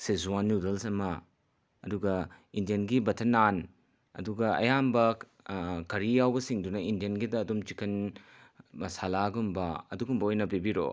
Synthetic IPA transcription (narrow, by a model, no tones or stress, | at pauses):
sezuwanjudɐlsɐmɐː | duɡɐindijɐnɡibɐtʰɐnan | ɐ̰duɡɐɐ̰jambɐ | kɐɾijawbɐsiŋdunɐindijɐnɡidɐːdumt͡ʃikʰɐn | ɐsalaɡumbɐɐ̰dukumbɐojnɐbibiɾo̰